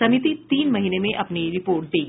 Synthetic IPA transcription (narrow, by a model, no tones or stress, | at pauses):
əmit̪iːt̪iːnməɦinemeʔapniɾipoɾʈ̚d̪e